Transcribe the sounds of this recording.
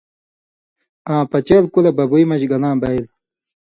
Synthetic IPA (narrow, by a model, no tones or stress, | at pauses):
ãːpɐt͡ɕeːlkulebɐbuimɐɕɡɐlãːbɐil